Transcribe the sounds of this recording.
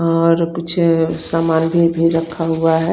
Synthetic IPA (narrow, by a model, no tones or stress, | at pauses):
ɔːɾkʊt͡ʃʰsamaːnbʱibʱiɾəkʰːaɦuaɦɛ